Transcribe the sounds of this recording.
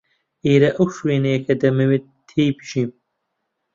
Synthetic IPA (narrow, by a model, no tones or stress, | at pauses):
ʔeːɾɐʔɐwʃweːnɐjɐkʰɐd̪ɐmɐwe | t̪ʰːejbɨʃiːm